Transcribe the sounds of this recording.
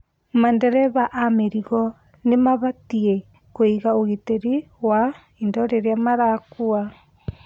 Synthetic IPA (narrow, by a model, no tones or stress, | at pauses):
mandɛɾɛβaʔameɾiɣɔ | nemaβatie | koiɣaoɣiteɾi | wa | indɔɾeɾeamaɾakua